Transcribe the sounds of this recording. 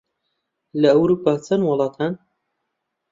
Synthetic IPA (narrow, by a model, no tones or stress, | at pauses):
lɐːwɾupaːt͡sʰɐnwʊlˠɑːt̪ʰan